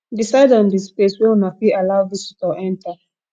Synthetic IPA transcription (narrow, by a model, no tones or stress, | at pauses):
disaɪdɔ̃ndispleswɛɔnafiʔalaʊvisitɔʔɛ̃ntʰa